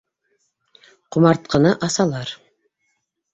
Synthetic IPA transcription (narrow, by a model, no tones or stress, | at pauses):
qumɑɾt̪̚qʰɤ̆nɤʔɑsɑlˠɑɾ